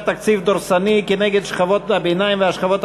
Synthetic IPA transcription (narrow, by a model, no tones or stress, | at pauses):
t̪akt͡sifd̪oɾsanikeneɡed̪ʃχavo̞t̪abenajimveaʃχavot̪